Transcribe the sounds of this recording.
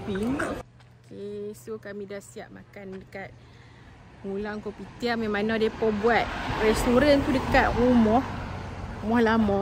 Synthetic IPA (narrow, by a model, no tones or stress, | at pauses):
piŋ | okʰesokamidahsiaʔ̚makandəkat̪̚ | ŋulaŋkopit̪iamemãnadepɔbuat̪̚rɛst̪uɾant̪udəkat̪̚rumɔh | umɔhlamɔ